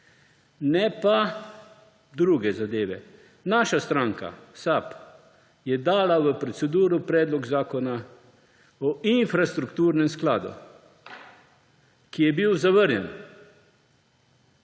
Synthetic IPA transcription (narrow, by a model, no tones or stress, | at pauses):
nɛpa | d̪ɾuːɡɛzad̪eːʋɛ̰ | naːʃast̪ɾaːŋka̰sap | jɛd̪aːlaʋəpɾɔt̪sɛd̪uːɾupɾɛːd̪lɔɡzaːkɔna | ɔinfɾast̪ɾukt̪uːɾnɛmsklaːd̪ṵ | kijɛbiwzaʋəɾnɛ̰n